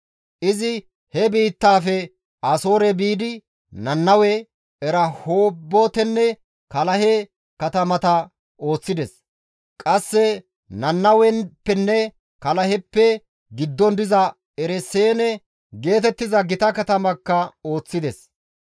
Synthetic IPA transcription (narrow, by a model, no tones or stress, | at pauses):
ʔɪzɪ | hɛbiːt̪ːaːfɛ | ɐso̞ːɾɛbiːd̪ɪ | nɐnːɐwɛ | ɛɾɐhoːbːot̪ɛnːɛ | kɐlɐhɛ | kɐt̪ɐmɐt̪ɐ | o̞ːt͡sːɪd̪ɛs | kʼɐsːɛ | nɐnːɐwɛnpːɛnːɛ | kɐlɐhɛpːɛ | ɡɪd̪ːɔnd̪ɪzɐ | ɛɾɛseːnɛ | ɡe̞ːt̪ɛt̪ːɪzɐɡɪt̪ɐkɐt̪ɐmɐkːɐo̞ːt͡sːɪd̪ɛs